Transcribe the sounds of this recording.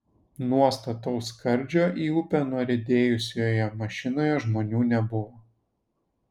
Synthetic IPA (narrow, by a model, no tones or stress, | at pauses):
nuɔst̪ɐt̪ɔʊskɐɾʲd͡ʒʲoːʔiːʊpʲɛnuɔɾʲɛd̪ʲeːjʊsʲoːjɛmɐʃʲɪnoːjɛʒmoːnʲuːnʲɛbʊʋoː